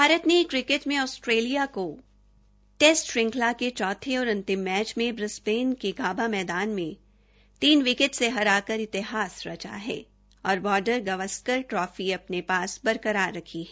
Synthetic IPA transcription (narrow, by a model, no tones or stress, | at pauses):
bʱaːɾət̪nekɾɪkɪʈmẽɔːsʈɾeːlijako | ʈeːsʈɾɪ̃ŋklaket͡ʃɔːt̪ʰeɔːɾʊ̃nt̪ɪmːɛːt͡ʃmẽbɾɪspeːnkeɡaːbamɛːd̪aːnmẽ | t̪iːnʋɪkɪʈseɦɐɾaːkəɾɪt̪ɪɦaːsɾɐt͡ʃa̰ɦɛ̰ː | ɔːɾbɔːɾɖəɾɡɐʋəskəɾʈɾɔːfiɐpnepaːsbɐɾkəɾaɾːɐkʰiɦɛː